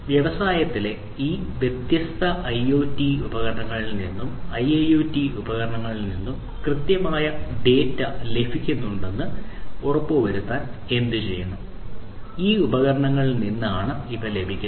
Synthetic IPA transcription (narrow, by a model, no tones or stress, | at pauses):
ʋjeʋɐsaːjɐt̪ːile̞ | iːʋjet̪jɐst̪ʰɐʔɐjo̞ːtːiubɐɣɐɾɐɳɐŋːɐɭilninːumɐjejoːtːiubɐɣɐɾɐɳɐŋːɐɭilninːum | krɨt̪jɐmaːjɐɖe̞ːtːɐle̞bʱikʲːunːuɳɖe̞nːɨorɐpːoʋɐɾut̪ːaːne̞nd̪ɨt͡ɕe̞̰jːɐɳɐ | iːubɐɣɐɾɐɳɐŋːɐɭilninːaːɳɨiʋɐle̞bʱikʲːu